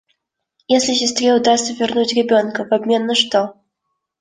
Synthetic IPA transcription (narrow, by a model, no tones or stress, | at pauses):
jesʲlʲisʲɪst̪ɾʲeud̪ast̪səvʲɪrnut͡sʲrɛbʲɔnkɐvabʲmʲɛnːɐʂt̪ɔ